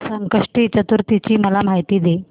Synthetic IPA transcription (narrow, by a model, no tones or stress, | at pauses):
səŋkəʂʈiːt͡ɕət̪uɾt̪it͡ɕiːməlam̤aɦjt̪iːd̪e